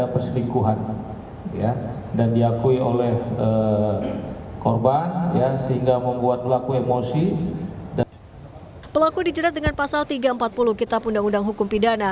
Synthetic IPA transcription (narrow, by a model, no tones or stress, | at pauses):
apərsənikuɦan | ja | dandiakuiolɛhə | kɔrbanjasəɦiŋɡaməmbuat̪̚pəlakuemosid | pəlakudid͡ʒəɾat̪̚dəŋanpasalt̪iɡaəmpat̪̚puluhkit̪apundaŋundaŋɦukʊmpidana